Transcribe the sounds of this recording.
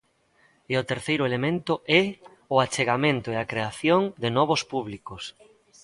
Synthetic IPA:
ɪʊt̪eɾθejɾʊelemẽnt̪ʊʔɛ | ʊat͡ʃeɣamẽnt̪ʊeakɾeaθjoŋd̪ɪnɔβ̞ʊspuβlikʊs

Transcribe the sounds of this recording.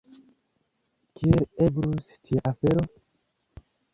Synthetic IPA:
kielebɾustiaafeɾo

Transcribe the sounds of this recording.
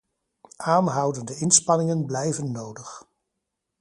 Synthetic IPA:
ʔaːnɦʌwdəndəɪnspɑnɪŋənblɛjvənːowdəχ

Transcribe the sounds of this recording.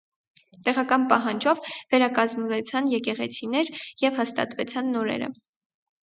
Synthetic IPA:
t̪ɛʁɑkɑnpɑɦɑnd͡ʒɔvvɛɾɑkɑzmunɛt͡sʰɑnjɛkɛʁɛt͡sʰinɛɾjɛvhɑst̪ɑ̰t̪vɛt͡sʰɑnːɔɾɛ̰ɾə̰

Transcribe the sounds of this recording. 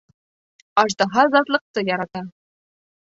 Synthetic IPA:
ɑʒd̪ɑɦɑzɑt̪lˠəq̚t̪ɤjɑɾɑt̪ɑ

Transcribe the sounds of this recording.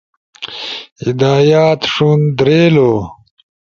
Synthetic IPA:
hid̪aːjaːt̪ʂund̪ɾeːlo

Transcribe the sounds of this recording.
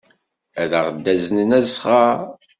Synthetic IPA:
æðəʁd̪ːæzənənæzχa

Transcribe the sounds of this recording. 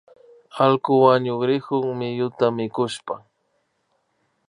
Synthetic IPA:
alkʊwaɲʊɡɾɪhʊŋmɪjʊt̪amɪkʊʃpa

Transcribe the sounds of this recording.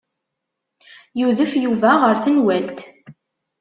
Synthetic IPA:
juðəfjuvæʁəɾθənwælt̪

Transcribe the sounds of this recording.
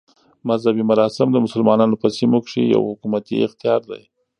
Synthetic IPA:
mazhabimʊɾɑsɪmd̪əmʊsʊlmɑnɑnopəsimokʂḭja̰whʊkumat̪ḭɪxt̪ijɑɾd̪a̰j

